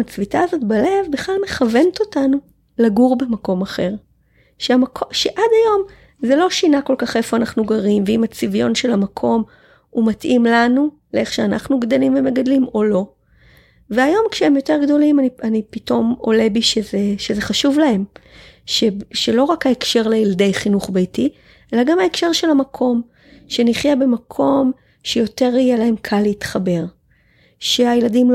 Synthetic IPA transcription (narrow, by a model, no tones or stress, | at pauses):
t͡svitaːzo̞t̪bale̞vbeχlalme̞χave̞nto̞tanu | laɡuʁbemako̞maχe̞ʁ | ʃeamakʰoʃeʔadajo̞m | zelo̞ʃinako̞lkaχe̞fo̞anaχnuɡaʁimveimat͡sivjo̞nʃe̞lamakʰo̞m | umatʔimlanu | lee̞χʃeana̰χnuɡd̪elimvemeɡadlimo̞lo̞ | veajo̞mkʃeemjo̞te̞ʁɡdo̞limanipito̞mo̞̰lebiʃezeʃezeχaʃuvlae̞mʃeʃelo̞ʁakhaekʃe̞ʁleilade̞jχinuχbejti | ʔe̞laɡamhaekʃe̞ʁʃe̞lamakʰo̞m | ʃe̞niχjabe̞makʰo̞m | ʃejo̞te̞ʁijelae̞mkʰalːeitχabe̞ʁ | ʃeajeladiml